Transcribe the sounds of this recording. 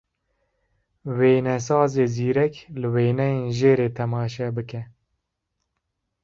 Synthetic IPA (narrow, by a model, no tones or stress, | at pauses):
weːnɛsɑːzeːziːɾɛklɨweːnɛjeːnʒeːɾeːt̪ʰɛmɑːʃɛbɨkɛ